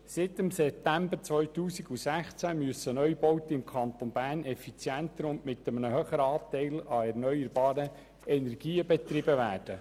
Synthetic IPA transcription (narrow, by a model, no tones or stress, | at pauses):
sɪt̪ɪmsɛp̚t̪æmbəɾt͡sʋœʏt̪uːsiɡusæχt͡sæmyəsənœʏjb̥ɔwt̪əɪmkʰɑnt̪onbæːrnɛfit͡sjænt̪əɾʊndmɪt̪əmənəɦøːχəɾəɑːt̪ɛɪlɑɛɾnœʏəɾbɑːɾə | ɛnɛɾɡ̥iːəbɛt̪rɪbəʋæːd̥ə